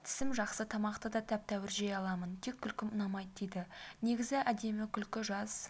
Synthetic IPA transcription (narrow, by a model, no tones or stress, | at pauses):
t̪ʰɪ̥sɪmʒɑqsət̪ʰɑmɑqt̪əd̪ɑt̪ʰæp̚t̪ʰæwɪɾʒejɑlˠɑmənt̪ʰekʲʰːʏlkʲɪmənɑmɑjd̪d̪ejd̪ɪne̞ɡʲɪzɪʔæd̪e̞mɪkʲʰʏlkʲɪʒɑz̥